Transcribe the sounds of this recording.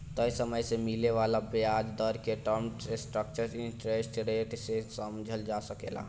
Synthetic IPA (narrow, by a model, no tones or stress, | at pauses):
t̪əjsəməjsemɪleʋaːlabaːd͡ʒd̪ɔːɾkeʈɔɾmʈsʈɾək̚t͡ʃəɾɪ̃nʈɾesʈɾeːʈsesəmd͡ʒʱəld͡ʒasəkḛːla̰ː